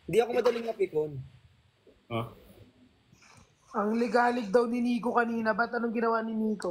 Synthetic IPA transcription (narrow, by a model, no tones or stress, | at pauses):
hɪnd̪iʔɐkomɐd̪ɐlɪŋnɐpɪk̪on | ʔɐŋlɪɡaːlɪk̚d̪ɐwnɪniːkokɐniːnɐbɐt̪̚ɐnoŋɡɪnɐwanɪniːko̞